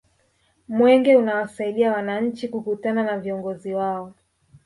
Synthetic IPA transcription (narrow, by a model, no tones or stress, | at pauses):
mwɛŋɡɛunawasaiɗiawanaɲ̩t͡ʃikukutananaviɔŋɡɔziwaɔ